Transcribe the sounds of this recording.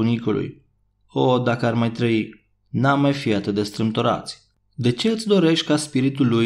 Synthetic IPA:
unikulʔṵj | od̪akəarmajt̪ɾəi | namːajfiat̪ɨt̪d̪e̞st̪ɾɨmt̪oɾa̰t̪sʲ | d̪e̞t͡ʃe̞ɨt̪sʲd̪o̞ɾe̞ʃt̪ʲkaspiɾit̪ulːuj

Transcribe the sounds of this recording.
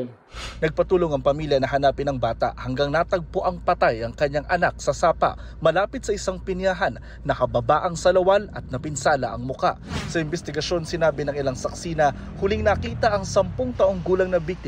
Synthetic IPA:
nɐɡ̚pɐt̪uːlo̞ŋɐŋpɐmiljɐnɐɦɐnaːpɪnɐŋbaːt̪a̰ʔhɐŋɡaŋnat̪ɐɡ̚pʊʔaŋpɐt̪ajɐŋkɐɲːaŋʔɐnak̚sɐsaːpɐ̰ʔ | mɐlaːpɪt̪sɐɪsaŋpɪnjaɦanː | ɐkɐbɐbaːʔɐŋsɐlɐwalɐt̪̚nɐpɪnsaːlɐʔɐŋmʊka̰ʔsɐʔɪmbɛst̪ɪɡɐʃo̞nsɪnaːbɪnɐŋɪlaŋsɐksiːnɐ | hʊlɪŋnɐkiːt̪ɐʔɐŋsɐmpoŋt̪ɐʔo̞ŋɡuːlɐŋnɐbik̚t̪ɪ

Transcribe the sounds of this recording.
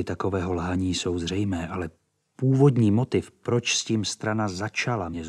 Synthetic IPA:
ɪt̪ako̞vɛːɦo̞lɦaɲiːso̞wzrɛjmɛːʔalɛ | puːvo̞d̪ɲiːmo̞t̪ɪfpɾo̞t͡ʃsciːmst̪ɾanazat͡ʃalamɲɛz

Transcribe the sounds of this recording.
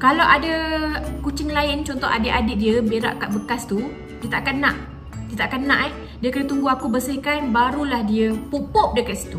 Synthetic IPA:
kalawʔadakut͡ʃɪŋlaɪnt͡ʃɔnt̪ɔha̰dɪʔadɪʔ̚diəmbeɾa̰ʔkat̪bəkast̪u | diət̪aʔakanːãʔ | diət̪aʔkanːã̰ʔɛh | diəkənət̪uŋɡuakubəsihkanbaɾulahdiəpupɔp̚dəkat̪̚si̥t̪u

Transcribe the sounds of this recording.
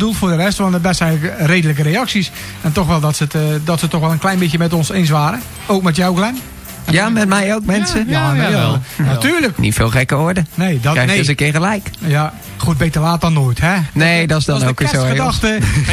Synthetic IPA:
dulˠfʊːdərɛstʋɔndəbɛstɛjɣləkreːdələk̬əɾejɑksis | ɛntɔxʋɛlˠdɔtsətdɔtsətɔxʋɛlˠənklɛjnbɪtjəmɛtɔnsens̬ʋaːɾə | oːk̚mɛtjawklɛn | jamɛtmɛjowk̚mɛnsəj | natyːrləknḭtfɪːlˠxɛkəoːɹdənejdɔɛəs̬əkɪɹɣəlɛjkja | xut̚bejtəlaːt̚dɔnːoːəjthɛnedɔsdɔnokəsoədaxtə

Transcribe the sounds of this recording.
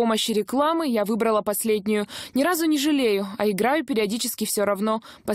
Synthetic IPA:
o̞məɕːɪɾʲɪklˠamɨjavɨbɾəlˠəpɐsʲlʲedʲnʲɪjʊnʲɪɾazʊnʲɪʐɨlʲejʊɐɪɡɾajʊpʲɪɾʲɪɐdʲit͡ɕɪ̥skʲɪfsʲoɾɐvno̞pɐ

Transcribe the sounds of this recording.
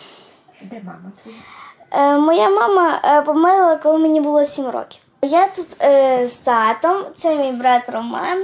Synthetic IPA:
mɔjamɑmɐpɔmɛɾɪlˠɐkɔlˠɪmenʲibʊlˠɔsʲimrɔ̰kʲiw | jat̪ut̪zt̪ɑt̪ɔmt̪sɛjmʲijbɾɑt̪rɔmɑ̰n

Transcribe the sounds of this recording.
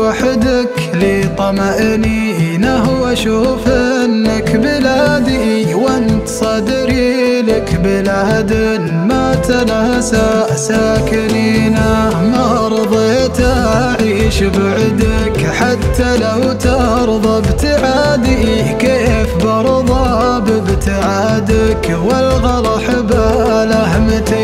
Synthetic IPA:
aħd̪ak | lit̪ˤɑmaʔni | naɦwaʃuːfɪnːakbɪlad̪iwɪnt̪sˤɑd̪ɪɾilakbɪlahad̪ɪn | mat̪alahasaːʔsaːkɪninamaʔɾˤðˤet̪a | ʕiːʃbaʕɪd̪ak | ħat̪ːalawt̪ɑʔ | ɾˤðˤɑbt̪aʕad̪i | keːfbɑɾˤðˤɑ | bɪbt̪aʕa | d̪ak | walɣɑɾˤɑħɪbalahmt̪

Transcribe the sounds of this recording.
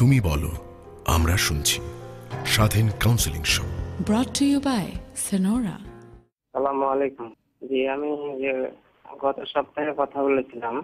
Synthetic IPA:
t̪umibɔlo̰ | a̰mɾaʃunt͡ɕʰi̥ʃad̪ʱinkawnsiliŋʃo̰bɾɔtːujubajsenoɾa̰ | sɐlamoalekum | d͡ʑiami | ɡɔt̪oʃɔb̚t̪aɦekɔt̪ʰabolet͡ɕʰilam

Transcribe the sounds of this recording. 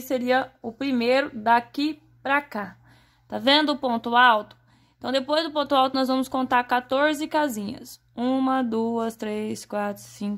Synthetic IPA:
seɾiɐʊpɾimejɾʊd̪aki | pɾaka | t̪avẽnd̪ʊːpõnt̪ʊawt̪ʊ̥ | ẽt̪ɐ̃w̃d̪epojzd̪ʊpõnt̪ʊawt̪ʊnɔzvɐ̃mʊskõnt̪aɾkat̪oɾzɪkazĩɲɐ̰s | ũmɐd̪uɐst̪ɾeskwat̪ɾʊsĩk

